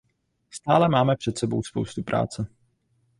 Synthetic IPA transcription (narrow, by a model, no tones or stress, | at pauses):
st̪aːlɛmaːmɛpr̝̥ɛt̪sɛbo̰wspo̰wst̪upɾʔa̰ːt͡sɛ